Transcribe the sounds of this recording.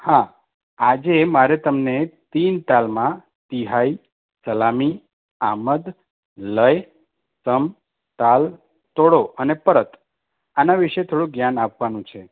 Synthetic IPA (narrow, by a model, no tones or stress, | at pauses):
hã | ad͡ʒemaɾet̪əmnet̪int̪almã | t̪iɦai | səlami | aməd̪ | ləj | səm | t̪al | t̪oɽoʔənepəɾət̪ | anaʋiʃet̪ʰoɽũɡjanapʋanũt͡ʃʰe